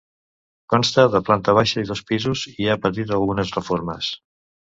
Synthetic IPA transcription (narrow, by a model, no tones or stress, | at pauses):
kɔnst̪əðəplant̪əβ̞aʃəiðɔspizuziapət̪̬it̪əlˠɣunəzrəfoɾməs